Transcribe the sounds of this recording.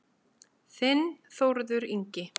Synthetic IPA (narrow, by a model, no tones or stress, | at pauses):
θɪnːθowɾðʏɾiɲcɪ